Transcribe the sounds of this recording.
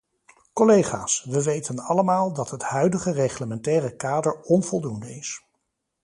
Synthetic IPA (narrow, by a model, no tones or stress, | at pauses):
kɔlejχa̰ːsʋəʋejtənɑləmaːlˠdɑtɦətɦœɥdəχəreχləmɛntɛːrəkaːdəɹɔnv̥ɔlˠdundəɪs